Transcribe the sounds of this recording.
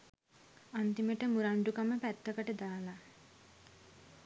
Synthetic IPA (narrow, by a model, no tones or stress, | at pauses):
ant̪iməʈəmuɾaɳɖukaməpæt̪ːəkəʈəd̪aːla